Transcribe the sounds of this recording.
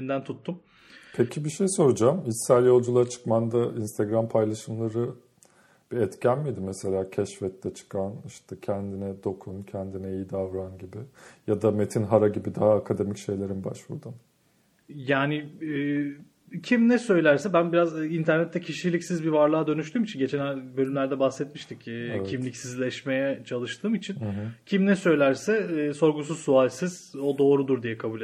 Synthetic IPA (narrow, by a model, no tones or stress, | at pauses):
nd̪ænt̪ʰut̪ʰːum | pʰecʰibiʃejso̞ɾud͡ʒamissæɾjo̞lˠd͡ʒulˠat͡ʃʰɯ̥kmand̪ainst̪ʰeɡɾampʰajlˠaʃɯmlˠaɾɯ | b̥iɛt̪cʰænmid̪imɛse̞lʲaːcʰɛʃfɛt̪ʰːɛt͡ʃʰɯ̥kʰaniʃt̪ʰɛcʰɛnd̪inɛd̪o̞kʰuncʰɛnd̪inɛijid̪avɾanɟibijad̪ame̞t̪ʰinɦaɾaɟibid̪aɦaːkʰad̪e̞micʃe̞jlʲe̞ɾinba̰ʃvṵɾd̪um | jaːnɪː | cʰimnɛsø̞jlʲæɾsɛbænbiɾazint̪ʰæɾnɛt̪ʰːɛcʰiʃilʲicsizbivaɾlˠaːd̪ø̞nyʃ̬t̪yːmit͡ʃʰinɟe̞t͡ʃʰɛnæbø̞lʲymlʲæɾd̪ɛbahsɛt̪miʃt̪ʰicːcʰimlʲicsizlʲɛʃme̞jɛt͡ʃʰalˠɯʃt̪ʰɯːmit͡ʃʰincʰimnɛsø̞jlʲæɾsɛːso̞ɾɡus̬uzsualʲsiz̥o̞d̪o̞ːɾud̪uɾd̪ijɛkʰabuːle